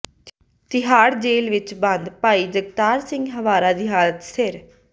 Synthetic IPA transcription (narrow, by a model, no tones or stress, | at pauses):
t̪ɪɦaːɾd͡ʒeːlʋɪt͡ʃbə̃nd̪paːiːd͡ʒəɡ̚t̪aːɾsɪ̃ŋɡɦəʋaːɾaːd̪iːɦaːlət̪sɪɾ